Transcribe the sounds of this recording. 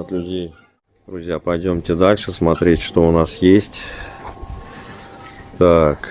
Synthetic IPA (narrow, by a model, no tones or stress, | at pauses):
ɐt̪lʲʊdʲej | d̪ɾʊzʲjapɐjdʲo̞mtʲɪd̪alʲʂɨsmɐt̪ɾʲetʲʂt̪o̞ʊnasjesʲtʲ | t̪ak